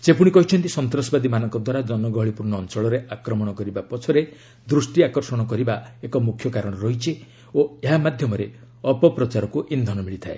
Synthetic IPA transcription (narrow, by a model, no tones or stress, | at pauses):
sepuɽ̃ikɔɦit͡ʃʰɔnt̪isɔnt̪ɾɔsɔbad̪imanɔŋkɔd̪waɾad͡ʒɔnɔɡɔɦɔɭipuɾnɔːnt͡ʃɔɭɔɾeakɾɔmɔɽ̃ɔkɔɾibapɔt͡ʃʰɔɾe | d̪ɾusʈiakɔɾsɔɽ̃ɔkɔɾibaekɔmukʰːjɔkaɾɔɽ̃ɔɾɔɦit͡ʃʰi | oeɦamad̪ʱjɔmɔɾe | ɔpɔpɾɔt͡ʃaɾɔkuʔind̪ʱɔnɔmiɭit̪ʰae